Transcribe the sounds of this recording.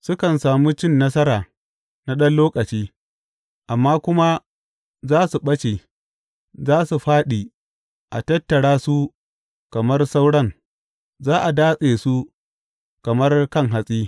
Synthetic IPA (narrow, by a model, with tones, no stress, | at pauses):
sʊ˦kɐ˨nsaː˨muː˦t͡ʃɪ˦˨nːɐ˦sɐ˦ɾaː˨ | na˦ɗɐ˦nloː˦kʼɐ˨t͡ʃiː˦ | ʔa˨mːaː˦kʷʊ˦ma˦ | zaː˦su˨ɓɐ˦t͡ʃe˨ | zaː˦su˨ɸaː˦ɗiː˨ | ʔa˨tɐ˦tːɐ˨ɽaː˦su˦ | kɐ˨mɐ˦rsa˦wɽɐ˦ŋ | zaː˦ʔa˨daː˦sʼeː˨su˦ | kɐ˨mɐ˦rkɐ˦ŋɦa˨sʼiː˦